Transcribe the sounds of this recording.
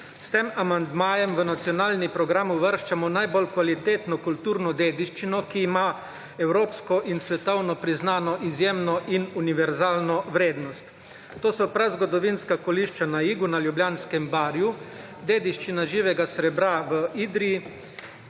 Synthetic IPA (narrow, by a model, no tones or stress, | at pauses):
st̪eːmamand̪maːjɛmʋənat̪sjɔnaːlnipɾɔɡɾaːmuʋəɾʃt͡ʃamɔnajbɔlkʋalit̪eːt̪nɔkult̪uːɾnɔd̪eːd̪iʃt͡ʃinɔkiːma | ɛwɾoːpskɔʔinsʋɛt̪ɔwnɔpɾiznaːnɔʔizjeːmnɔʔinuniʋɛɾzaːlnɔʋɾeːd̪nɔst̪ | t̪ːoːsɔpɾazɡɔd̪ɔʋinskakɔliʃt͡ʃanaiːɡunaljubljaːnskɛmbaːɾju | d̪eːd̪iʃt͡ʃinaʒiːʋɛɡasɾɛbɾaʋəiːd̪ɾii